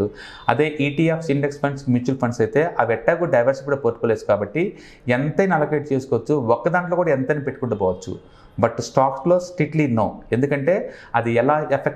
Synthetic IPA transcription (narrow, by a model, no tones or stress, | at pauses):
u | ɐ̰d̪e̞ːʔiːʈiːaːpsiɳɖekspʰɐɳɖsmjuːt͡ʃulpʰɐɳsɐjt̪e̞ːʔaːʋɛʈːaːɡuɖɐjʋɐɾsipuɽɐpoːt̪ːukoːleːsu̥kaːbɐʈːi | ɛnt̪ɐjnɐlɐkeʈ̚t͡ʃeːsukɔːʋɐt͡ʃːuɔkːɐd̪aːɳʈlokuːɽaɛnt̪ɐniːpeʈːukuɳɖɐpɔːʋɐt͡ʃːṵ | bɐʈsʈaːksloːsʈɾiːʈlino̰ːe̞nd̪ukɐɳʈe̞ːɐd̪iɛlaːepʰek